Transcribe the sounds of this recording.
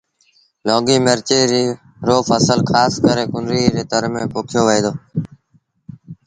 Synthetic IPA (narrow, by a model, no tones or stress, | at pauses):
loːɡiːmeɾt͡ʃiːɾi | ɾoːfəsəlkʰaːskəɾeːkʊnɾiːɾeːt̪əɾmẽːpoːkʰjoːʋeiːd̪oː